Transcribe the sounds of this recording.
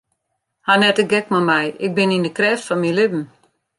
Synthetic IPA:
hanɛtəɡɛk̚mamɛjɪk̚bɪnindəkrɛːftfɔnmilɪbn̩

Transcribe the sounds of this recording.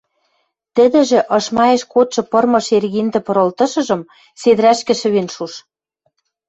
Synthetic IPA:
t̪ɘ̆d̪ɘ̆ʒɘ̆ʔɤ̆ʃmɑeʃkot̪ʃɤ̆pɤ̆rmɤ̆ʃerɣind̪ɘ̆pɤ̆ɾɤ̆lt̪ɤ̆ʃɤ̆ʒɤ̆m | sed̪̆ɾæʃkɘ̆ʃɘ̆βenʃuʃ

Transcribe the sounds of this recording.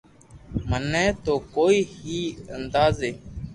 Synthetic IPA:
mənːɛ̃ːt̪oːkoːiːhiːənd̪aːzeː

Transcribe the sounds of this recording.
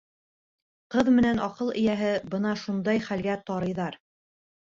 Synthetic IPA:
qɤðmɘ̆nænɑqɤlˠɘ̰̆jæɦɘbɤnɑʃund̪ɑjχælɡæt̪ɑɾɤ̆jðɑɾ

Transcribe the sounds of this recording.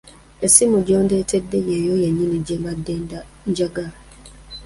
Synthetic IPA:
esimũd͡ʒɔndɛtʰɛdːejɛjojɛɲĩnĩd͡ʒɛmadːe | n̩d͡ʒaɡa

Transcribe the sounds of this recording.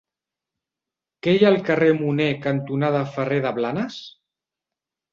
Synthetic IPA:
kejaːlˠkəremunekant̪unaðafəreðəβlanəs

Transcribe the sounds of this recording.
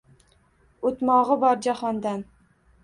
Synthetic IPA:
ot̪mɒʁɨbɒɾd͡ʒahɒnd̪an

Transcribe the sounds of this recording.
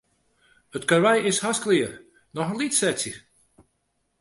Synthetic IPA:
hətkərʋɛjɪshasklɪər | nɔxənlitsɛsjə

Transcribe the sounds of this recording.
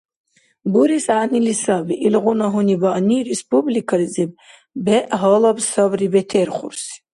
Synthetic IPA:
buɾisanilisabiʔilʁunaɦunibanirɛspublikʰaɾizɛb̚ | bɛʔɦɔlˠabsabribɛt̪ʰɛɾχʷṵɾs

